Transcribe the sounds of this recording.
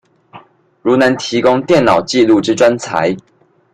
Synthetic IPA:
ɻu˨˥na˨˧˦nt̪ʰi˨˥kʊ˦ŋt̪jɛ˥˨nnɑ˨˩ʊt͡ɕi˥˧lu˥˨ʈ͡ʂɻ̩˦ʈ͡ʂwa˦nt͡sʰa̰˨˦ɪ

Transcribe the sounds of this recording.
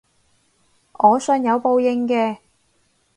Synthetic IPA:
ʔɔː˨˧sɵː˧njɐ˨˧wpo˧wjɪ˧ŋkɛː˧

